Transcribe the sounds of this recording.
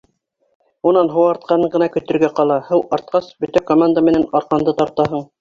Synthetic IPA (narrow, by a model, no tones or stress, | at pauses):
unɑnɦŏwɑɾt̪̚qɑnɤɴɢɤ̆nɑkɵ̆t̪ɵ̆ɾɡæqɑlˠɑhɤw̪ˠɑɾt̪̚qɑsbɵ̆t̪ækomand̪amɘ̆nænɑɾqɑnd̪ɤt̪ɑɾt̪ɑɦɤɴ